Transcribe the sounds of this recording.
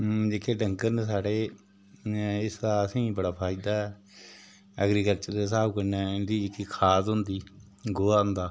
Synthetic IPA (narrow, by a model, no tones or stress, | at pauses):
d͡ʒeːkʰeːɖəŋkənsaːɽeː | ɪsd̪aəsĩːbəɽaːpʰaːid̪aːɦɛː | əɡɾiːkəlt͡ʃəɾd̪eːs̬aːbkənɛːnd̪iːɪkːiːkʰaːsɦʊnd̪iː | ɡoːãːnd̪aː